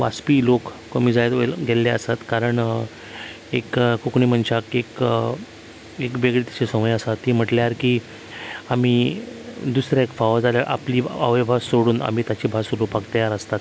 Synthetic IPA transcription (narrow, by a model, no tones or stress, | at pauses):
ʋa̰spiːlokːomiːd͡zajt̪olɡʱelːeəsat̪kaɾəɳ | ekkokɳiːm̤əɳt͡ɕakek | ekʋeɡɭet̪i̥t͡ɕesəməjəsat̪ːiːm̤əʈljaɾkiː | am̤iː | d̪usɾjaekfaʋəɾd͡zaljaɾʔa̰pliːa̰ʋəjbʱasoɽuːna̰m̤iːt̪at͡ɕiːbʱasoɾupakt̪əjaɾəst̪at̪